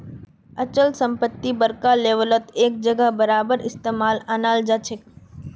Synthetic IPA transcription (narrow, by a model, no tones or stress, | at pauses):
ɐt͡ʃəlsə̃mpət̪ːibəɾkaleːʋələt̪eːk̚d͡ʒəɡəbɐɾaːbəɾɪst̪eːmaːlaːnaːld͡ʒat͡ʃʰɪk